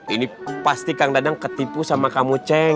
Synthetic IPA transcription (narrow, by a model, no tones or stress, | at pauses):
inipast̪ikaŋdadaŋkət̪ipusamakamut͡ʃɛ